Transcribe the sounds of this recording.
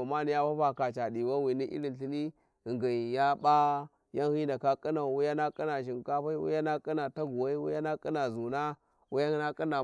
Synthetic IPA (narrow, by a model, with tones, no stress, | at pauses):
ma˦ni˦ja˦pa˦pa˨ka˨t͡ʃa˨di˨wa˦wi˨ni˦ʔḭ˦ɾi˨ɬi˦ni˦ | i˨ŋɡa˨n˨ja˦ba˦ | ja˦nhi˦nda˨ka˦kʼi˦na˨wu˦ja˦na˦kʼi˦na˨ʃ̬i˨n˨ka˦ɸa˦wṵ˦ja˦na˦kʼi˦na˨ta˦ɡu˨wa˦i˦wṵ˦ja˦na˦kʼi˦na˨zu˨na˦ | wu˦ja˦na˦kʼi˦na˨